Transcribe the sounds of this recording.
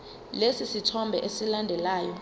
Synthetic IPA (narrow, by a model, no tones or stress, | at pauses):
lesisitʰɔmbʱɛʔesilandʱɛlaːjɔ